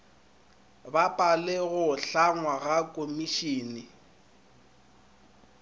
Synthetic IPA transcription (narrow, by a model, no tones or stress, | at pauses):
bapʼalɛɣʊɬaŋwaɣakʼomiʃiːnɪ